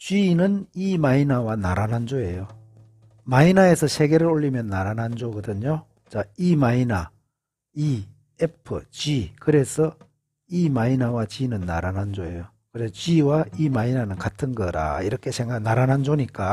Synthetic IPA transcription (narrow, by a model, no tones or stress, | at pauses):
t͡ɕɥinɯnimainawanaɾanɦand͡ʑoe̞jo | mainae̞sʰʌɕʰe̞ɡe̞ɾɯɾoʎːimjʌnːaɾanɦand͡ʑoɡʌdɯɲo | t͡ɕaimaina | i | epʰɯt͡ɕɥikɯɾe̞sʰʌ | imainawat͡ɕinɯnːa̰ɾanand͡ʑoe̞jo | kɯɾest͡ɕɥiwaimainanɯnkatʰɯnɡʌɾa̰iɾʌkʰe̞sʰeŋanaɾanɦand͡ʑoɲik͈a